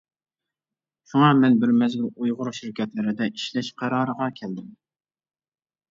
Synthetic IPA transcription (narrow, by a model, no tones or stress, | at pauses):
ʃuŋɑmɛnbɪɾmɛzɡʲilujʁʊɾʃiɾkʲɛt̪lɪɾɪd̪ɛʔi̥ʃlɛʃqʰæɾɑːɾəʁɑkʲʰɛld̪ɪm